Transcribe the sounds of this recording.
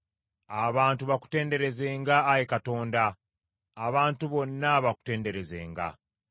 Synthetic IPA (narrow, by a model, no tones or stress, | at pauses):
aβaːntuβaku̥te̞ːnde̞ɾe̞ze̞ːŋɡaːjekato̞ːndaː | βaːntuβo̞nːaβaku̥te̞ːnde̞ɾe̞ze̞̰ːŋɡa̰